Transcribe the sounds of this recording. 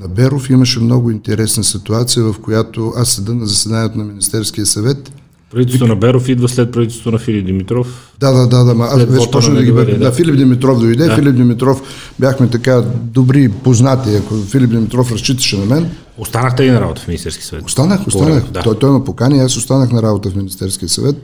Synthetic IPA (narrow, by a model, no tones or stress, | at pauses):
nɐbɛɾofiməʃɛmnoɡʊint̪ɛɾɛsnəsit̪uat̪sijəvɐfkojat̪oʔasːɐd̪ənɐzɐsɛd̪aniɛt̪onɐminist̪ɛɾsk̟ijəsɐvɛt̪ | pɾɐvit̪ɛɛst̪onɐbɛɾofid̪vəslɛt̪̚pɾɐvit̪ɛlsot̪nɐfilʲip̚d̪imit̪ɾɔf | d̪ad̪ad̪ad̪amɐasvɛt͡ʃɛpɔt͡ʃnd̪ɐɡiɛd̪afilʲipd̪imit̪ɾɔfd̪oid̪ɛffilip̚d̪imit̪ɾɔf | bʲjaxmɛt̪ɐkad̪obɾipoznat̪iɐkofilʲip̚d̪imit̪ɾɔfɾɐst͡ʃit̪ə̥ʃɛnɐmɛn | ost̪anəxt̪ɛlinɐɾa̰bot̪əfmʲinist̪ɛɾski̥əsɐvɛ̰t̪ost̪anəxost̪anəxt̪ɔjt̪ɔjmɐpokanʲiɛasost̪anəxnɐɾabot̪əfminist̪ɛɾskijəsɐ̰vɛt̪̚